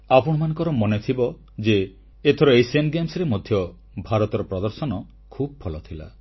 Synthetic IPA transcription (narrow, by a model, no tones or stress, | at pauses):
apɔɽ̃ɔmanɔŋkɔɾɔmɔnet̪ʰibɔ | d͡ʒeː | t̪ʰɔɾɔejsenɡemsɾemod̪ʱjɔ | bʱaɾɔt̪ɔɾɔpɾɔd̪ɔɾsɔnɔ | kʰubɔpʰɔlɔt̪ʰila̰